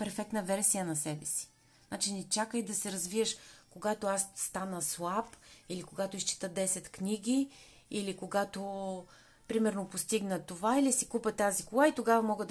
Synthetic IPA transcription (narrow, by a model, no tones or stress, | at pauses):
pɛɾfɛk̚t̪nəvɛɾsijənɐsɛbɛsi̥ | nat͡ʃinɛt͡ʃakəjd̪ɐsɛɾɐzviəʃkoɡat̪oasːt̪anəslˠapilikoɡat̪oist͡ʃi̥t̪əd̪ɛsɛt̪kniɡʲi | ilikoɡat̪o | pɾimɛɾnopost̪iɡnət̪ovailisikupət̪azikolˠait̪oɡavɐmɔɡəd̪